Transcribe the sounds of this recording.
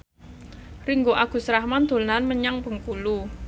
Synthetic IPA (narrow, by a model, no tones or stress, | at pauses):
riŋɡoʔaɡ̥ṳsɾahmand̪̥o̤lnanməɲaŋpəŋkulu